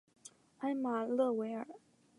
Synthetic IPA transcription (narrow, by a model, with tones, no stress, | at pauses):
a˥ɪma˨˩lɤ˥˩we˧˥ɪə˞˨˩˦